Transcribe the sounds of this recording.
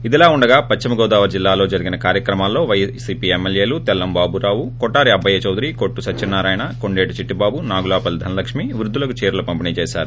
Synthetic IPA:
id̪ilaːuɳɖɐɡaːpɐt͡ʃt͡ʃːimɐɡɔːd̪aːʋɐɾd͡ʒilːaːlo̞ːd͡ʒɐɾiɡinɐkaːɾjɐkɾɐmaːlːo̞ːʋɐjsiːpiːemːeljeːlut̪ɛlːɐmbaːbuɾaːʋukɔʈːaːɾiɐbʱːɐjɐt͡ʃɐwd̪iɾikoʈːusɐt͡ʃːt͡ʃinːaːɾaːjɐɳako̞ɳɖeːʈut͡ʃiʈːibaːbunaːɡulaːpɐld̪ʱɐnɐlɐkʂmiʋɾud̪ʱːulɐkut͡ʃeːɾulɐpɐmpiniːt͡ʃɛːʃa̰ːɾu

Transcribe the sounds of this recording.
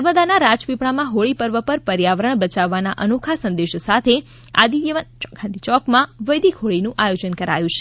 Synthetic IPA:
əɾməd̪anaɾad͡ʒpipɳ̃amãɦoɭipəɾʋəpəɾpəɾjaʋəɾəɳbət͡ʃaʋːanaʔənokʰasə̃nd̪eʃsat̪ʰe | a̰d̪iəʋənkʰãnd̪it͡ʃɔkmãʋəjd̪ikʰoɭinũʔajod͡ʒənkəɾa̰jũt͡ʃʰe̥

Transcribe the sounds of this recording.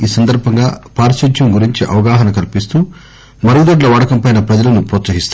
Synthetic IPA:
iːsɐnd̪ɐɾbʱɐŋɡaːpaːɾsid͡ʒʱjɐmɡuɾiɲt͡ʃiʔɐ̰ʋɐɡaːɦɐnɐkɐlpist̪uː | mɐɾɡud̪ɐɖlɐʋɐɽɐkɐmpɐjnɐpɾɐd͡ʒɐlɐnupɾɔːt̪sɐɦist̪

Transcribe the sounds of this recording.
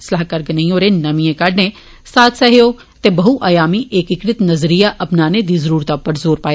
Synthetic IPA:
slaːɦkɐɾɡɐnɐĩõːɾenɐmijẽkɐɖnẽ | saːt̪ʰsɐɦejoː | t̪ebɐɦuʔaːjaːmiʔeːkɪkɾɪt̪nɐzɾijaʔɐpnaːned̪izɐɾuːɾt̪apɐɾzoːɾpaːj

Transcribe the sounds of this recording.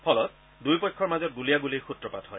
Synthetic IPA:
pʰɔlɔt | dujpɔjkʰːɔɹmazɔt̚ɡulijaɡulejxutɹɔpatɦɔj

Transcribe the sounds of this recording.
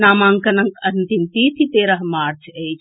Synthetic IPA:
naːmãŋkɐnɐŋkɐnt̪int̪iːt̪ʰit̪eːɾəɦmaːɾt͡ʃʰejt͡ʃʰ

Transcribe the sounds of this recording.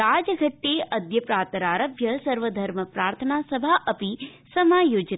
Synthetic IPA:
aːd͡ʒəɡʱəʈːeəd̪jəpɾaːt̪əɾaːɾəbʱjɐsɐɾʋəd̪ʱəɾməpɾaːɾt̪ʰənasəbʱaʔəpisɐmaːjoːd͡ʒ

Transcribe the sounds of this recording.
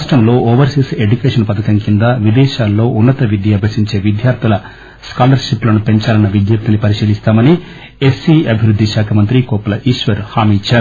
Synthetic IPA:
aʂʈɾɐmlo̞ːʔoːʋɐɾsise̞ɖjukeːʂɐnpɐt̪ʰɐkɐŋkind̪ɐʋid̪ɛːʃaːlːo̞ːʔunːɐt̪ɐʋid̪jiɐbʱɐsiɲt͡ʃe̞ːʋid̪ʱjaːɾt̪ʰilɐ | skaːlɐɾʃiplɐnupe̞ɲt͡ʃaːlɐnːɐʋid̪jɐp̚t̪inipɐɾiʃiːlist̪aːmɐni | esːiːɐbʱiʋɾud̪ʱːiʃaːkʰɐmɐnt̪ɾikɔːpɐlɐʔiːʂʋɐɾhaːmit͡ʃːaːɾu

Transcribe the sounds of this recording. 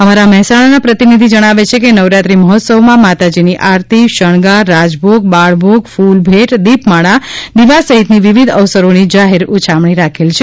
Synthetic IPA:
əmaɾamɛɦɛsaɽ̃anapɾət̪inid̪ʱid͡ʒəɽ̃aʋet͡ʃʰekenəʋɾat̪ɾiməɦɔt̪səʋmãmat̪ad͡ʒiniʔaɾt̪iʃəɳ̃ɡaɾad͡ʒbʱoɡ̚baɭbʱoɡfulbʱeʈd̪ipmaɽ̃ad̪iʋasəɦit̪niʋiʋid̪ʱəʋsəɾonid͡ʒaɦeɾut͡ʃʰamɳ̃iɾakʰelt͡ʃʰe

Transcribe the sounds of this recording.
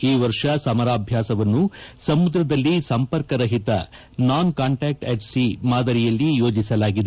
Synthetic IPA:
iːʋɐɾʂɐsɐmɐɾaːbʱjaːsɐʋɐnːusɐmud̪ɾɐd̪ɐlːisɐmpɐɾkɐɾɐɦit̪ɐ̰ | naːnkaːɳʈaːk̚ʈeʈsimaːd̪ɐɾijɐlːijo̞ːd͡ʒisɐlaːɡid̪e

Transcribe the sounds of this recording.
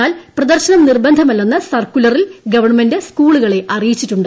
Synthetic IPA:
aːlprɐd̪ɐrɕɐnɐmnirbɐnd̪ʱɐmɐlːɐnːɐsɐrkulɐrilɡɐʋɐrɳmendeskuːɭuɣɐɭe̞ʔɐrijit͡ɕːitːuɳɖɨ

